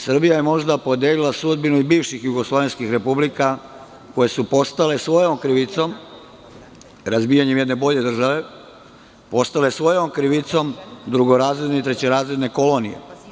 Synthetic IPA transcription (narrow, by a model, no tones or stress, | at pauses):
sr̩bijajemo̞ʒd̪apo̞d̪jelilasud̪binuibiːʋʃixjuɡo̞slˠoʋe̞nskixɾe̞publika | ko̞je̞supo̞st̪ale̞sʋo̞jomkɾiʋit̪so̞m | ɾazbiːjaɲemje̞d̪ne̞bo̞ʎe̞d̪r̩ʒaʋe̞ | post̪ale̞sʋo̞jomkɾiʋit̪so̞md̪ɾuɡoɾaːzɾed̪neit̪ɾe̞t͡ɕeɾaːzɾed̪ne̞ko̞lo̞nḭje̞̰